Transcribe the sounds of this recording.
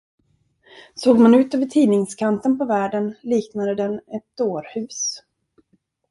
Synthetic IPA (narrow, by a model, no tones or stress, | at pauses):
soːɡmanʉ̟ːt̪øːvəʈʰiːnɪŋskʰant̪ənpʰɔvæːɖənliːknad̪əd̪ɛnɛt̪̚d̪oːɾhʉ̟ːs